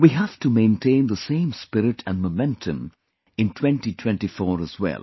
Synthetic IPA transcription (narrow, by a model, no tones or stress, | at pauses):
wiɦævʈumẽɪ̃ntʰẽɪ̃nd̪əsẽɪ̃mspɪɾɪʈʰæ̰̃nmomɛ̃ntʰə̃m | ɪ̃ntʰw̥ɛ̃nʈitʰw̥ɛ̃nʈifɔːɾəzwɛ̰lˠ